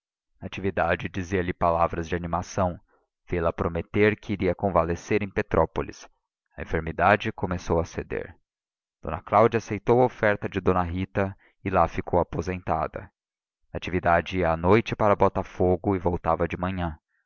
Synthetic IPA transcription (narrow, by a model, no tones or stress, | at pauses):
at͡ʃivid̪ad͡ʒɪd͡ʒiziɐlɪpalavɾɐzd͡ʒɪanimasɐ̃w̃ | v̥elɐpɾomet̪eɾkɪːɾiɐkõvaleseɾẽj̃pet̪ɾʔɔpolḭs | ɐẽfeɾmid̪ad͡ʒɪkomesowɐsed̪ḛɾ | d̪̥õ̰nɐklawd͡ʒɐasejt̪owɐofɛɾt̪ɐd͡ʒɪd̪õnɐɦit̪ɐ | ɪlafikʰowapozẽnt̪a̰d̪ɐ̰ | at͡ʃivid̪ad͡ʒɪiɐːnojt͡ʃɪpaɾɐbɔt̪afoɡʊɪvowt̪avɐd͡ʒɪmɐ̃ɲɐ̃